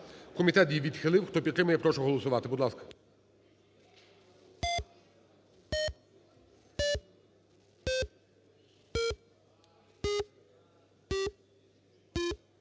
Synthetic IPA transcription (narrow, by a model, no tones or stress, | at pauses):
kɔmʲit̪ɛt̪jiʋʲid̪xɪlˠɪwxt̪ɔpʲit̪ːɾɪmʊjɛpɾɔʃɔɦɔlˠɔsʊʋɑt̪ɪbud̪lˠɑskɐ̥